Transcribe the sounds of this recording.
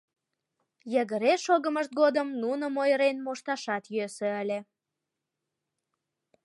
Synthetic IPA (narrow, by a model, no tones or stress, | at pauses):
jəɣəɾeʃoɣəməʃt̪̚ɡod̪əmnunəmojəɾenmoʃt̪ɑʃɑt̪jøsøəlʲe